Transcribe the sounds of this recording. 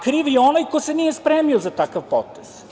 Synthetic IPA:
kɾiːʋjeonajkojsenijespɾeːmiozat̪akaʋpot̪ez̥

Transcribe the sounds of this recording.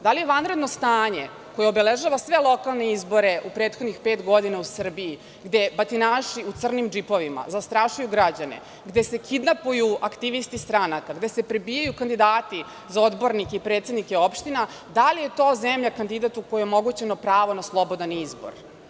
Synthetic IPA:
d̪alije̞ʋanɾe̞d̪no̞st̪aːɲe | ko̞jeobeleʒaːʋasʋe̞lˠo̞kalˠne̞izbo̞ɾe̞ʔupɾeːt̪xo̞d̪nixpe̞ːt̪ɡo̞d̪inausr̩bii | ɡd̪ebat̪inaːʃiut̪sr̩nimd͡ʒipo̞ʋima̰zast̪ɾaʃujuɡɾad͡ʑanḛ | ɡd̪ese̞kid̪napujuakt̪iʋist̪ist̪ɾanakaɡd̪e̞se̞pɾebiːjajukand̪id̪aːt̪i | zao̞d̪bo̞ɾnikeipɾe̞ːt̪sed̪nikeo̞pʃt̪ina | d̪alije̞t̪o̞ːzemʎakand̪id̪at̪ukojeomo̞ɡut͡ɕenopɾaːʋo̞naslˠo̞bo̞d̪anizbo̞̰ɾ

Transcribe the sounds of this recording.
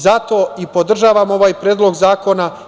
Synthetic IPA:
zat̪o̞ːipod̪r̩ʒaːʋamo̞ʋaːjpɾeːd̪lo̞ɡzaːko̞na

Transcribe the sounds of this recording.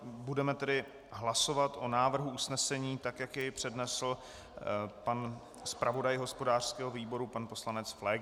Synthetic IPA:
budɛmɛt̪ɛdɪ | ɦlasovat̪ʔo̞naːvr̩ɦuusnɛsɛɲiːt̪akjakjɛjpr̝̥ɛdnɛsl̩ | pan | spɾʔavo̞dajɦo̞spo̞daːr̝̥skɛːɦoviːbo̞ɾupanpo̞slanɛt͡sflɛ

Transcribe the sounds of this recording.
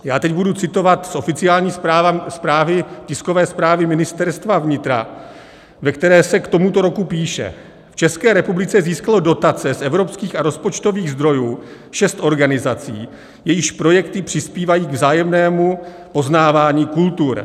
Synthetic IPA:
jaːt̪ɛcbudut͡sɪt̪o̞vat̪sʔo̞fɪt͡sɪaːlɲiːsaːvaspɾaːvɪcɪskovɛːspɾaːvɪmɪnɪst̪ɛɾst̪vavɲɪt̪ɾa̰ | vɛkt̪ɛɾɛːsɛkt̪omut̪o̞ɾo̞kupiːʃɛ̰ | ft͡ʃɛskɛːɾɛpublɪt͡sɛziːskalo̞do̞t̪at͡sɛsʔɛvɾo̞pskiːxaɾo̞spo̞t͡ʃt̪o̞viːɣzd̪ɾo̞juː | ʃɛst̪ʔo̞ɾɡanɪzat͡sḭː | jɛjɪʃpɾo̞jɛkt̪ɪpr̝̥ɪspiːvajiːɡvzaːjɛmnɛːmu | po̞znaːvaːɲiːkult̪uɾ

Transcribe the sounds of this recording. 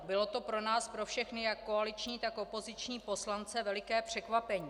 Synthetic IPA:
bɪlo̞t̪o̞pɾo̞naːspɾo̞fʃɛxnɪjakːo̞alɪt͡ʃɲiːt̪ako̞po̞zɪt͡ʃɲiːpo̞slant͡sɛvɛlɪkɛːpr̝̥ɛkvapɛɲiː

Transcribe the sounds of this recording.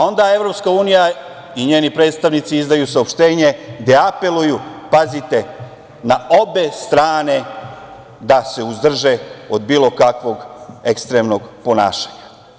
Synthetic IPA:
ao̞nd̪ae̞ʋɾo̞pskauːnija | iɲe̞ːnipɾe̞ːd̪st̪aʋnit̪siizd̪ajusaopʃt̪e̞ːɲe̞d̪eape̞lujupazit̪e̞ | nao̞be̞st̪ɾaːne̞ | d̪aseuzd̪r̩ʒe̞od̪biːlˠo̞kakʋo̞ɡekst̪ɾemno̞ɡpona̰ːʃḁɲa

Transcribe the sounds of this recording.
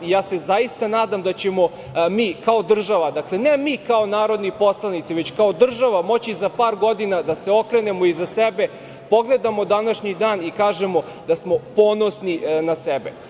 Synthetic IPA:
ijaːse̞zajist̪anaːd̪amd̪at͡ɕemo̞ | miːkaod̪r̩ʒaʋad̪akle̞nemiːkaonaːɾo̞d̪nipo̞slˠanit̪siʋet͡ɕkao̞d̪r̩ʒaʋamo̞t͡ɕizapaːɾɡo̞d̪inad̪aseo̞kɾene̞mo̞izasebe | po̞ɡle̞d̪amo̞d̪anaʃɲid̪aːnikaːʒemo̞ | d̪asmo̞po̞ːnosninasebḛ

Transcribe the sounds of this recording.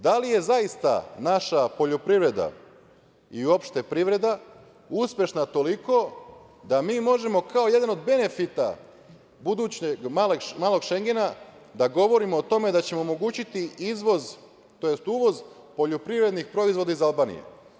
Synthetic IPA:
d̪alije̞zaist̪a̰naʃapo̞ʎo̞pɾiʋɾe̞d̪a̰ | io̞pʃt̪e̞pɾiʋɾe̞d̪a | uspʲje̞ʃnat̪o̞liko̞ | d̪amiːmo̞ʒe̞mo̞kʰao̞je̞d̪ano̞d̪be̞ne̞fit̪a̰ | bud̪ut͡ɕeɡmaleɡmaːlˠo̞ɡʃe̞ŋɡe̞na | d̪aɡo̞ʋo̞ɾimoːt̪o̞me̞d̪at͡ɕe̞mo̞ːmo̞ɡuːt͡ɕit̪iizʋo̞z | t̪ojest̪uːʋo̞z | po̞ʎo̞pɾivɾe̞d̪nixpɾo̞izʋo̞d̪aizalˠbaːnḭjḛ

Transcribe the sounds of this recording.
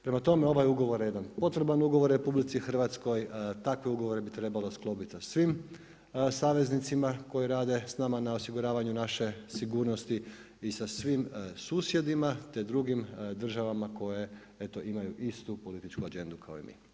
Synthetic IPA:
pɾe̞mat̪o̞me̞o̞ʋajuɡo̞ʋo̞ɾjed̪anpo̞t̪ɾebanuɡo̞ʋo̞ɾɾe̞publit̪sixr̩ʋat̪sko̞jt̪akʋeuɡo̞ʋoɾe̞bit̪ɾe̞balo̞sklo̞pit̪sasʋim | saːʋe̞znit̪simako̞jiɾaːd̪e̞snamanao̞siɡuɾaːʋaɲunaʃe̞siɡuːɾnost̪i | isasʋimsuːsje̞d̪imat̪e̞d̪ɾuɡimd̪r̩ʒaʋamako̞je̞ | e̞t̪o̞ʔimajuʔist̪upo̞lit̪it͡ʃkuad͡ʒe̞nd̪ukʰao̰ḭmḭː

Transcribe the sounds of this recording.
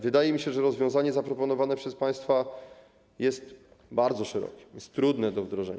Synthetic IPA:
vɘd̪ajɛmʲiɕɛʐɛɾɔzvʲjɔ̃w̃zaɲɛzapɾɔpɔnɔvanɛpʂɛspaj̃st̪fa | jɛst̪ | baɾd̪zɔʂɛɾɔ̰kʲɛ̥jɛst̪ːɾud̪nɛd̪ɔvd̪ɾɔʐɛ̰ɲ

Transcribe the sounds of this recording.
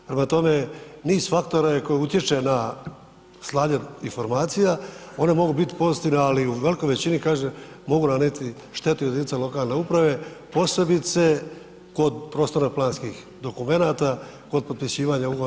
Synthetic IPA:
pɾemat̪o̞me̞niːzfak̚t̪o̞ɾajeko̞jeut̪je̞t͡ʃe̞na | slˠaːɲeinfo̞ɾmaːt̪sijao̞ne̞mo̞ɡubit̪i̥po̞st̪iʋnealiuʋe̞liko̞jʋe̞t͡ɕinikaːʒe | mo̞ɡunanit̪i | ʃt̪e̞t̪ujed̪init̪alo̞kaːlne̞upɾaʋe̞po̞se̞bit̪se̞ | ko̞d̪pɾo̞ːst̪o̞ɾaplˠaːnskix | d̪o̞kume̞naːt̪a | ko̞d̪̚po̞d̪̚pisiːʋaːɲauɡo

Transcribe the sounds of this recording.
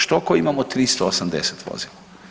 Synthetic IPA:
ʃt̪okɔimamɔt̪ɾist̪ɔosamd̪ɛsɛ̥t̪ʋo̰ːzila

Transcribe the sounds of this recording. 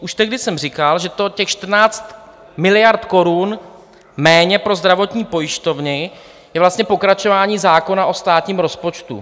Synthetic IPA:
ʔuʃt̪ɛɡdɪsɛmrɪkalʒɛt̪o̞cɛxʃt̪r̩naːt͡st̪ | mɪlɪjaɾt̪ko̞ɾun | mɛːɲɛpɾo̞zd̪ɾavo̞t̪ɲiːpo̞jɪʃt̪o̞vnɪ | jɛvlast̪ɲɛpo̞kɾat͡ʃo̞vaːɲiːzaːko̞naʔo̞st̪aːt̪ɲiːmɾo̞spo̞t͡ʃt̪ṵ

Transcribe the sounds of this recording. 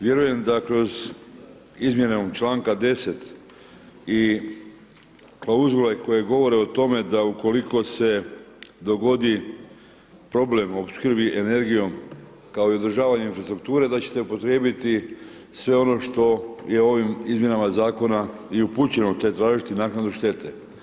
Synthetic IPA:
ʋje̞ɾuje̞md̪akɾo̞z | izmje̞net͡ʃlaːŋkad̪e̞se̞t̪ | i | klauzɡolajko̞jeɡo̞ʋo̞ɾe̞ot̪o̞me̞d̪auko̞liko̞se̞d̪o̞ɡo̞d̪i | pɾo̞ble̞mopskr̩biʔene̞ɾɡijo̞m | kaoio̞d̪r̩ʒaːʋaɲeinfɾast̪ɾuk̚t̪uːɾe̞d̪at͡ɕe̥t̪e̞upo̞t̪ɾjeːbit̪i | sʋe̞o̞no̞ʃt̪o̞je̞o̞ʋimizmje̞namazaːko̞naiupuːt͡ɕe̞not̪et̪ɾaːʒit̪inaːknad̪uʃt̪e̞t̪e̞

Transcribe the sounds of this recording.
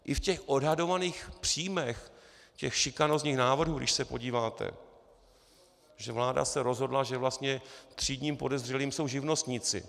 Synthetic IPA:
ʔɪfcɛxʔo̞dɦado̞vaniːxpr̥iːmɛx | cɛxʃɪkanozɲiːxnaːvr̩ɦuːɡdɪ̰ʃsɛpo̞̰ɟiːvaːt̪ʰɛ̰ | ʒɛvlaːda̰sɛɾo̞zɦo̞dlaʒɛvlast̪ɲɛt̪r̝̥iːdɲiːmpo̞dɛzr̝ɛliːmso̞wʒɪvno̞st̪ɲɪt͡sɪ̰

